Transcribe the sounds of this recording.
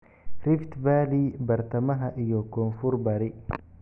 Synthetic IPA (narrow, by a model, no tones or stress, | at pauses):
rɪft̪baːlibɐrt̪ʰɐmɐɦɐʔijɔkʰɔːnfʊrbɐɾɪ